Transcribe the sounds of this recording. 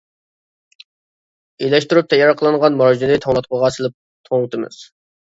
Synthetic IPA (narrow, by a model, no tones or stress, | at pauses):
ejlɛʃt̪uɾyp̚t̪ʰɛjːɑɾqʰəlˠɨɴʁɑnmɑɾd͡ʒinɨt̪ʰɑwlˠɑt̪̚qəʁɑsɨlˠɪp̚ | t̪ʰoŋt̪ʰɨmɨ̰z̥